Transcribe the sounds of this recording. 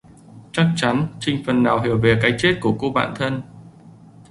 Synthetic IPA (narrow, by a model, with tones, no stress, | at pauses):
t͡ɕa˦˥k̚t͡ɕa˨˦nt͡ɕï˧ŋ̟fə˨˩nːaː˨˩wɦi˧˩əwve˨˩kaː˨˦jt͡ɕe˦˥t̚ku˧˩əku˧ɓa̰ː˧˨nt̪ʰə˧n